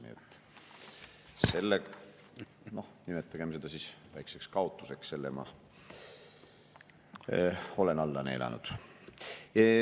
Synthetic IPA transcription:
nḭet̪ːˑ | se̞lːe | no̞hnimet̪ːˑɑɡ̥emse̞d̪̥ɑsisvæjkse̞kskɑot̪ːˑuse̞ksse̞lːemɑ̰ | o̞lenɑlːɑne̞̰lʔɑ̰nṵd̪̥

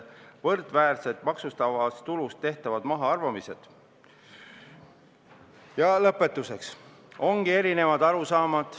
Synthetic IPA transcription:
vɤrd̪̥væːrset̪ˑmɑksust̪ɑvɑst̪ulust̪ːe̞ht̪ɑvɑd̪mɑɦɑɑrvɑmise̞d̪̥ | jɑlɤpːˑe̞t̪ːˑuse̞ks | o̞ŋɡ̥ie̞ɾine̞vɑd̪ɑɾusɑːmɑd̪̥

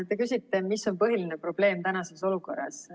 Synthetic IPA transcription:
t̪e̞kysʲit̪ːˑe̞miso̞npɤɦiline̞pro̞b̥le̞ːmt̪ænɑse̞so̞luko̞rːɑ̰s

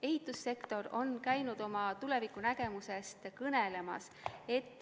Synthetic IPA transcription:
e̞ɦit̪ːˑusːe̞kt̪o̞ɾo̞nkæjnud̪̥o̞mɑt̪ule̞vikːˑunæɡ̥e̞muse̞st̪kɤnele̞mɑ̰s | e̞t̪ːˑ

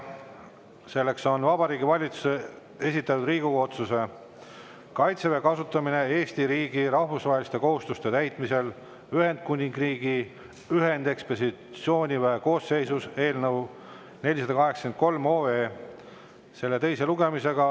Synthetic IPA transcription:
se̞lːe̞kso̞nvɑbɑɾiːɡivɑlʲit̪su̥se | e̞sit̪ːˑɑt̪ud̪riːɡ̥uɡɑo̞t̪suse̞ | kɑjt̪sevekɑsut̪ːˑɑmine̞eːst̪iɾiːɡiɾɑhvusvɑɦelist̪e̞ko̞hust̪ust̪e̞t̪æjt̪ˑmise̞l | yɦe̞nd̪̥̚kunʲiŋɡriːɡ̥i | yɦe̞nd̪̥e̞kspesit̪sio̞ːnʲivæɦeko̞ːsːe̞jsuse̞ːlnɤw | ne̞lʲːis̬ɑd̪ɑkɑɦe̞ksɑkenko̞lmo̞ːeː | se̞lːe̞t̪e̞jse̞luɡe̞mise̞ɡ̥ɑ

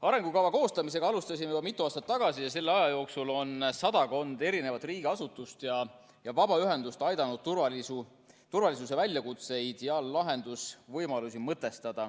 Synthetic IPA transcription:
ɑɾe̞ŋɡukɑwvɑko̞ːst̪ɑmis̬e̞ɡɑɑlust̪ɑsʲimeybɑmit̪ˑːuɑːst̪ɑt̪ːɑɡ̥ɑsijɑs̬e̞lːeɑjɑjo̞ːksulo̞nsɑd̪̥ɑko̞nd̪̥e̞ɾine̞vɑt̪ːˑriːɡ̥eɑsut̪ːˑust̪jɑ | jɑvɑbɑyɦe̞nd̪ust̪ɑjd̪ɑnud̪urvɑlisu | t̪urvɑlʲisus̬e̞vælʲjɑkut̪se̞jid̪̥eɑlːɑɦe̞nd̪̥usvɤjmɑlusʲimɤt̪ːˑe̞st̪ɑd̪̥ɑ

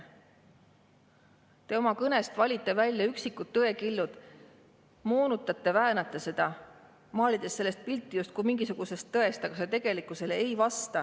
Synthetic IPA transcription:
t̪e̞o̞mɑkɤne̞st̪vɑlʲit̪ˑːe̞vælʲjɑyksikːˑut̪ːɤe̞kilːud̪̥ | moːnut̪ːˑɑt̪ˑːe̞væenɑt̪ːˑese̞d̪̥ɑ | mɑːlʲid̪̥e̞sːe̞lːe̞st̪̚pilt̪ˑːijust̪̚kumiŋɡisuɡ̥use̞st̪ːɤe̞st̪ɑɡ̥ɑset̪e̞ɡ̥e̞likːˑuse̞le̞jvɑst̪ɑ

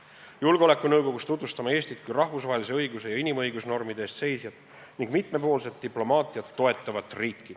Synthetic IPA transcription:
julɡ̥eo̞le̞kːˑunɤwɡo̞ɡust̪ut̪vust̪ɑmɑe̞ːst̪it̪̚kujrɑhvusvɑɦelis̬e̞ɤjɡuse̞jɑinimɤjɡusno̞rmid̪eːst̪se̞jsjɑt̪ˑ | niŋɡmit̪ˑme̞po̞ːlse̞t̪ːiplo̞mɑːt̪ˑiɑt̪ːo̞e̞t̪ːˑɑvɑt̪ːˑriːkːi̥

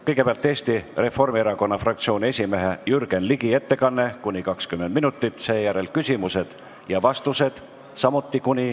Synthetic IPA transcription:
kɤjɡepeɑlt̪ːˑe̞ːst̪ire̞fo̞rmieɾɑko̞nːɑfrɑkt̪sio̞ːnʲie̞sʲime̞ɦejyɾɡ̥e̞nliɡ̥ie̞t̪ːe̞kɑnːe̞kunʲikɑkskymːed̪̥̚minut̪ːˑit̪ˑse̞ːjæɾe̞lkysʲimuse̞d̪̥ | jɑvɑst̪use̞d̪̥ | sɑmut̪ːˑikunʲi

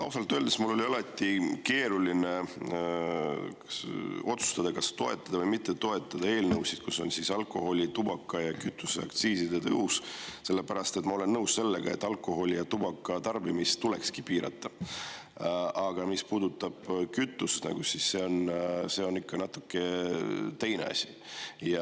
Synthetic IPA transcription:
lɑuwsɑlt̪ːˑøːld̪esmulːo̞liɑlɑt̪ːˑike̞ːɾuline̞ | o̞t̪su̥st̪ɑd̪̥ɑkɑst̪o̞e̞t̪ːˑɑd̪ɑvɤjmit̪ːe̞t̪o̞e̞t̪ˑːɑd̪̥ɑe̞ːlnɤwsid̪̥kuso̞nsisɑlkːˑo̞ɦo̞lʲit̪ubɑkːˑɑjɑkyt̪ːˑu̥seɑ̰kt̪siːsid̪et̪ɤ̰usse̞lːe̞pæɾɑst̪e̞t̪ːˑmɑo̞le̞nːɤwsse̞lːe̞ɡ̥ɑ̰e̞t̪ːˑɑlkːˑo̞ɦo̞lʲijɑt̪ub̥ɑkːˑɑt̪ɑrbimist̪ule̞kskipiːɾɑ̰t̪ˑːɑ | ɑɡ̥ɑmispuːd̪̥ut̪ːˑɑb̥kyt̪ːˑusnɑ̰ɡ̥usisːe̞o̞nse̞o̞nikːɑnɑt̪ːˑu̥kːe̞t̪ejnḛɑ̰sʲi̥ | jɑ

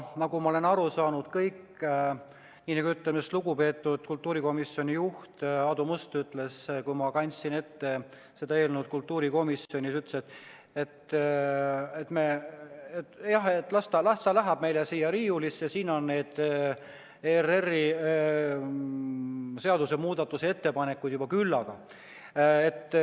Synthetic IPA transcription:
nɑɡumɑole̞nɑɾusɑːnud̪̥kɤjk | nʲiːnɑɡuyt̪ːˑlemesluɡupe̞ːt̪ːˑud̪̥kult̪ːuːɾiko̞misjo̞nʲijuht̪ɑd̪umust̪yt̪ːˑle̞skujmɑkɑnʲsine̞t̪ːe̞ | se̞d̪ɑeːlnud̪̥̚kult̪ːˑuːɾiko̞misjo̞nʲisyt̪ːˑset̪ | et̪ | et̪meet̪jɑɦet̪ːˑlɑst̪ɑlɑst̪ɑlæɦæb̥̚me̞jlesiːjɑɾiːjulisjɑsiːno̞nːeːd̪̥ | ereri | se̞ɑd̪use̞muːd̪̥ɑt̪ːˑusee̞t̪ːe̞pɑne̞kːˑujd̪jubɑkylːɑɡ̥ɑ | e̞t̪ːˑ

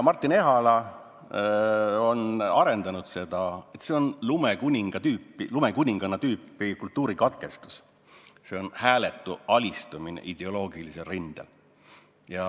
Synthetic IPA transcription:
mɑrt̪ːˑine̞ɦɑlɑ | o̞nɑɾe̞nd̪ɑnud̪̥se̞d̪ɑe̞t̪se̞o̞nlumekunʲiŋɡ̥ɑt̪yːpːˑilume̞kunʲiŋɡ̥ɑnːɑt̪yːpːˑikult̪ːˑuːɾikɑt̪̚ke̞st̪u̥s | se̞o̞nhæːle̞t̪ːˑuɑlʲist̪uminḛʔid̪̥e̞o̞lo̞ːɡ̥iliselrind̪̥ḛl | jɑ

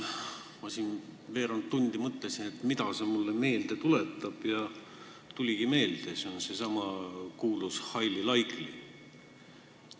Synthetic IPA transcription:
mɑsʲinve̞ːɾɑnt̪ːunʲd̪̥imɤt̪ˑːesinet̪mit̪ɑsemulːeme̞ːld̪̥e̞t̪ulet̪ːˑɑb̥jɑ | t̪ulʲiɡ̥ime̞ːld̪̥e̞seonse̞sɑmɑkuːlushɑjlilɑjkli

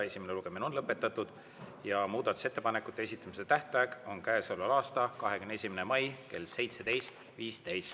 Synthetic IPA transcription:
e̞sʲimeneluɡ̥e̞mino̞nlɤpːˑe̞t̪ːˑɑt̪ːˑud̪̥ | jɑmuːd̪̥ɑt̪ːˑu̥se̞t̪ːˑe̞pɑnekːˑut̪ːˑeesit̪ːˑɑmise̞t̪æht̪ɑjeko̞nkæesolːɑlɑːst̪ɑkɑɦekymnesʲimenemɑjke̞̰lse̞jt̪se̞d̪e̞jst̪ | viːst̪e̞jst̪

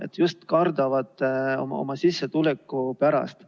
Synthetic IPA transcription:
e̞t̪ːjust̪kɑrd̪̥ɑvɑt̪ːeo̰mo̰mɑsisːet̪ulekːˑupæɾɑ̰st̪

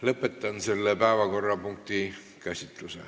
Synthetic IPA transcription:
lɤpːˑet̪ːɑnselːepæeʋɑkorːɑpuŋk̚t̪i | kæsʲit̪ːˑusḛ

